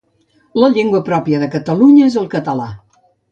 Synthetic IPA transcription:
ləʎeŋɡwəpɾɔpiəðəkət̪əluɲəezəlˠkət̪əla

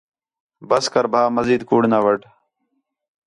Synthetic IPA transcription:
bəskəɾbʱaːməziːd̪kuːɽnaːʋəʈ

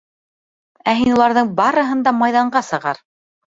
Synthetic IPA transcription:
æɦinulˠɑɾðɤɴbɑɾɤ̆ɦɤ̆nd̪ɑmɑjðɑɴɢɑsɤ̆ʁɑ̰ɾ

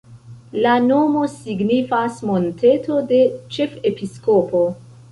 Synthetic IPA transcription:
lano̞mo̞siɡnifasmo̞nte̞to̞de̞t͡ʃe̞fe̞pisko̞po̞

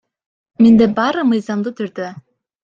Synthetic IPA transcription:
mind̪ɛbɑːɾɯmɯjzɑmd̪ɯt̪ʰyɾd̪ø

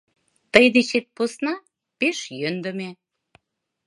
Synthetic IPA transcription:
t̪əjd̪et͡ɕet̪̚posnɑ | peʃjønd̪ə̆me

